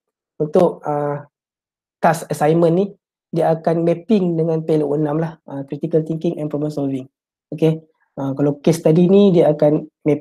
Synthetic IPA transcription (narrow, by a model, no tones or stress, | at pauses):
unt̪ʊʔ̚ə | t̪asəsajmə̃nːi | diaːkanmɛpɪŋdəŋãnpeloʔənãmlahəkɾit̪ikəlt̪iŋkiŋʔɛnpɾɔbə̃nsɔlviŋ | oke | əkalawkest̪adinĩdiaːkan | mɛ